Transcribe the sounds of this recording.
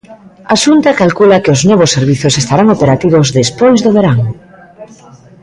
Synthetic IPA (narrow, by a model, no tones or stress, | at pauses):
aʃunt̪akalkulakeʊznɔβʊsːeɾβiθʊsest̪aɾaŋopeɾat̪iβozðespojzðʊβeɾaŋ